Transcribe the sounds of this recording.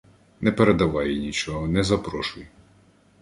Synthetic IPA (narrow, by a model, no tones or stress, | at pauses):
nɛpeɾed̪ɐʋɑjnʲit͡ʃɔɦɔnɛzɐpɾɔʃʊj